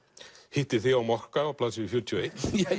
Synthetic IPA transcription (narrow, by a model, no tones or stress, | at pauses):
hɪht̪ɪɾ̥θiawmɔhkaawpʰlaːsɪɪfjuɾt̪ʰiɔejt̪